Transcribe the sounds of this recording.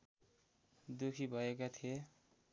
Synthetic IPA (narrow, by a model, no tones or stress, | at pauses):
d̪ukʰibʱʌek̬at̪ʰie